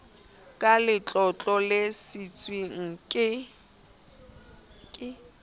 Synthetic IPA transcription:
kʼalɪt͡ɬʼɔt͡ɬʼɔlesit͡sʼwiŋ̩kʼɪ | kʼɪ

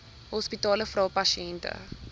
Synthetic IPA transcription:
hɔspitɑːləfrɐwpɐʃiɛntə̰

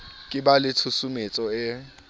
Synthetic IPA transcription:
kʼɪbalɪtʰusumet͡sʼɔɪ

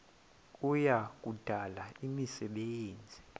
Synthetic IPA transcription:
ujak̬ʼud̥ʱalaimisɛɓeːnd͡zʱi

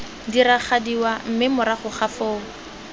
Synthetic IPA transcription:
diɾaχadiwam̩mɪmʊɾaχʊχafoːŋ̩

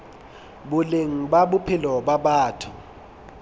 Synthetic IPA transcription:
ɓʊleŋ̩ɓaɓʊpʰɪlɔɓaɓaːtʰʊ

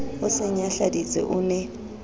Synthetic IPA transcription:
ʊsɛɲaɬadit͡sʼɛ̰ʔuːnɛ

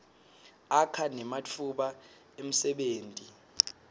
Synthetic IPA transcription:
akʰanɛmat͡fʰuɓa | em̩sɛɓeːntʼi

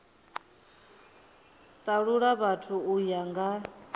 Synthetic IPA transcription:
t̪ʼaɺuɺaβatʰuujaŋɡa

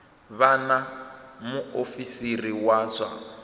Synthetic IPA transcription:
βanamuofisiriwaːzʷa

